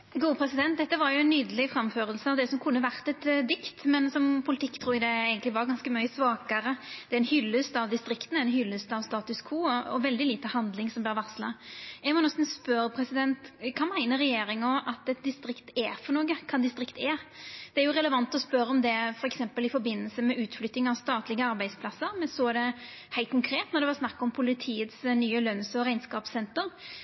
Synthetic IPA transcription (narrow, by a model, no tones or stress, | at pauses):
ɡuːpʰɾɛsɪd̪ɛnt̪̚d̪ɛt̪ːəʋɑɾjʊɛnːyːd̪əlɪfɾɑmføːɾəlsəɑʋd̪ɛsɔmkʰʊnːəʋæʁt̪ɛt̪d̪ɪkt̪mɛnsɔmpʰʊlɪt̪ʰɪkːt̪ʰɾuːɾɪd̪ɛæɪɡənlɪʋɑɾɡɑnskəmœʏəsʋɑːkəɾəd̪̥ɛæɾɛnhʏlːʉst̪ɑʋd̪ɪst̪ɾɪkt̪n̩æɛnhʏlːʉst̪ɑʋst̪ɑːt̪ʉskʰuːɔɔ̰ʋɛld̪ɪliːt̪əhɑnd̪lɪŋsɔmblɪɾʋɑʁslɑɛɡmɔnɛst̪n̩spœɾpʰɾɛsɪd̪ɛnt̪kʰɑːmæɪnəɾɛjeːɾɪŋɔʔɑt̪ɛt̪̚d̪ɪst̪ɾɪkt̪ɛfɔnoːɡəkʰɑnd̪ɪst̪ɾɪkt̪ɛd̪̥ɛæɾjʊɾɛləʋɑnt̪ɔspœɾəɔmd̪ɛfɔɾɛksɛmpəlɪfɔɾbɪnːəlsəmɛʉːt̪flʏt̪ːɪŋɑʋst̪ɑːt̪lɪɡəɑɾbæɪd̪spʰlɑsːəɾmɛnsɔd̪ɛ | hæɪt̪̚kʰʊŋkʰɾeːt̪nɔɾd̪ɛʋɑsnɑkːɔmpʰʊlɪt̪ʰiːət̪snyːəlœnsɔɾæɪnskɑːpsɛnt̪əɾ